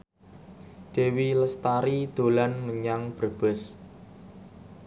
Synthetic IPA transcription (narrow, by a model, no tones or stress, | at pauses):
d̪̥e̤wiləst̪aɾid̪̥o̤lanməɲaŋb̥ə̤rb̥əs